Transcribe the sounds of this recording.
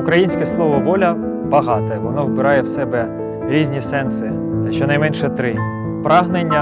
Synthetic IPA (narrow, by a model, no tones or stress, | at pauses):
ukɾɐjinʲsʲkɛslˠɔʋɔʋɔlʲɐ | bɐɦɑt̪ɛʋɔnɔwbɪɾɑjɛwsɛbɛ | ɾʲizʲnʲisɛnsɪ | ɐʃt͡ʃːɔnɐjmɛnʃɛt̪ɾɪ | pɾɑɦnenʲːɐ